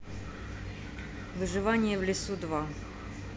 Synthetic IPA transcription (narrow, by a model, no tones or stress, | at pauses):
vɨʐɨvanʲɪjəvlʲɪsud̪va